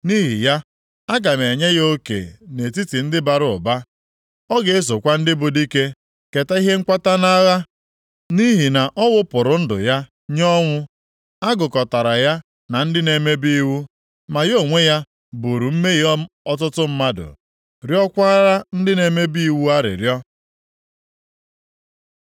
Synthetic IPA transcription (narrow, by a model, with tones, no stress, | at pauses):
ni˦ɦḭ˨ja˦ | a˦ɡa˨m˨e˨ɲe˦jo˦kḛ˨ne˨ti˦ti˨n̩˦dɪ˦ba˨ɾʊ˨ʊ̰˨ba˦ | ɔ˦ɡe˨˦e˦s̬o˨kʷa˦n̩˦dɪ˦bʊ˨di˦ke˦ | ke˨ta˦i˦ɦe˦ŋ͡m̩˦kʷa˦ta˦na˦ɣa˦ | ni˦ɦi˨na˨ʔɔ˦wʊ˦pʊ˨ɾʊ˨n̩˦dʊ̰˨ja˦ | ɲɔ˦ŋʷʊ˦ | a˦ɡʊ˨kɔ˨ta˨ɾa˨ja˦ | na˨n̩˦dɪ˦ne˨me˦bi˦i˦wu˦ | ma˨jo˦˨ŋʷe˦ja˦ | bʊ˨ɾu˨m̩˦me˦j | ɔ˦tʊ˦tʊ˦m̩˦ma˦dʊ̰˨ | ɾjɔ˦kʷa˦ɾa˦n̩˦dɪ˦ne˨me˦bi˦i˦˨wu˦a˦ɾɪ̰˨ɾjɔ˦